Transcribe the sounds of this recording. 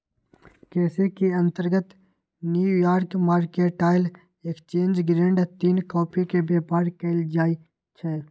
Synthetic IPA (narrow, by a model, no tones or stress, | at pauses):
kɛːsekiɐ̃nt̪əɾɡət̪ | njujaːɾkmaːɾkeʈaːɪl | ekt͡ʃẽːnd͡ʒɡɾẽːɳɖt̪iːnkɔːpʰikebeːpaːɾkeɪld͡ʒaːi | t͡ʃʰɛː